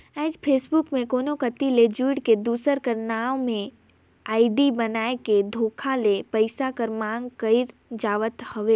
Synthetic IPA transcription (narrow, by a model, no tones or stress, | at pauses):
aːd͡ʒpʰeːsbʊkmẽkoːnokət̪ːiled͡ʒuːɽked̪uːsəɾkɐɾnaːomẽ | aːɪɖibɐnaːeked̪ʱoːkʰalepəɪsakəɾmãːŋɡkəɪɾd͡ʒaːʋət̪hɐʋe